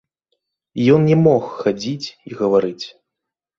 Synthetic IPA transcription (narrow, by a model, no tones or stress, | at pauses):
jɔnnʲɛmɔxːad͡zʲit͡sʲiɣɐvaɾɨt͡sʲ